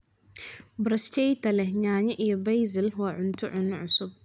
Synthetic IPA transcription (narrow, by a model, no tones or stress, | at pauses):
bɾɐst͡ʃɛjt̪ʰɐlɛɲaːɲɐʔijɔbɛjzɪlwaːʕʊnt̪ʰʊʕʊnɪʕʊsʊb̚